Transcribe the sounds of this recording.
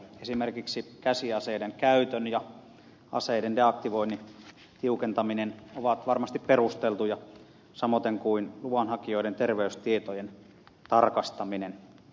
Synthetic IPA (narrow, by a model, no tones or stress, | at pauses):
esimerkiksikæsiɑseideŋkæyt̪ønjɑ | ɑ̰seidendeɑk̚t̪iʋoinːi | t̪iukent̪ɑminenoʋɑt̪ʋɑrmɑst̪ipperust̪elt̪ujɑ | sɑmot̪eŋkuinluɑnhɑkioident̪erʋeyst̪iet̪ojen | t̪ɑrkɑst̪ɑminen